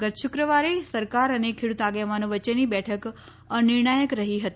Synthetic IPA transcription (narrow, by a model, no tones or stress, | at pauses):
ɡət̪ʃʊkɾəʋaɾesəɾkaɾənekʰeɽut̪aɡeʋanõʋət͡ʃenibɛʈʰək | ənɪɾɳajəkɾəɦiɦət̪i